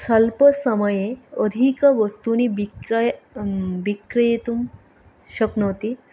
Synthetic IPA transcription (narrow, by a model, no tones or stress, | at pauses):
səlpəsəməjeəd̪ʱikəʋəst̪unibij | bikɾijet̪um | ɕəknəwt̪i